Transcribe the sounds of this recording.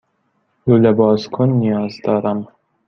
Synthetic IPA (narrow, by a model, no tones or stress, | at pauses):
jolebɒːskʰonːijɒːzd̪ɒːɾæm